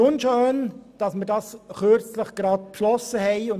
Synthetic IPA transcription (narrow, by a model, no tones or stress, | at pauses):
ʊnʃøːnd̥ɑsməɾdɑːsχøɾt͡sləχɡ̥ɾɑːt̚pʃlɔsəhɛɪʊn